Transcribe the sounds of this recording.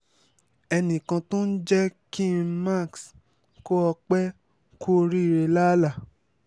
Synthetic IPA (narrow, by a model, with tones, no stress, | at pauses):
ɛ˧nĩ˨kã˧tõ˦n̩˦d͡ʒɛ˦kĩ˦ma˦˨ks | ko˦ɔ˧k͡pɛ˦ | ko˦˧ɾi˦˨ɾe˧la˦la˦˨